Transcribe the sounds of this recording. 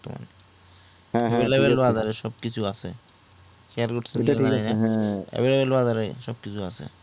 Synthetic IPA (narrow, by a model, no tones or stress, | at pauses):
t̪o̰ma̰nẽ | ebelebelbazaɾeʃɔb̚kit͡ɕʰuasʰe | kʰeaɾkoʈsʰeia | ḛbelebelbazaɾeʃɔb̚kit͡ɕʰuasʰḛ